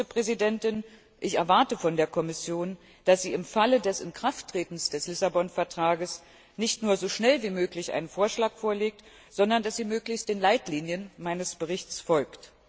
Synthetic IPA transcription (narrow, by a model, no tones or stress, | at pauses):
əpʁ̥ɛzidɛntɪn | ʔɪçɛɐvaɐtəfɔndeːɐkʰɔmɪsjoːn | d̥asz̥iːɪmfalədɛsɪ̰nkʁ̥aftːʁ̥eːtn̩sd̥ɛslɪsabɔnfɛɐtʁ̥aːɡəs | nɪçtnuːɐzoːʃnɛlviːmøːklɪçʔa̰ɪnənfoːɐʃlaːkfoːɐleːk̚t | z̥ɔndɐndasz̥iːmøːklɪçst̚d̥eːnlaɪtliːnjənmaɪnəsb̥əʁ̞ɪçt͡sfɔlkt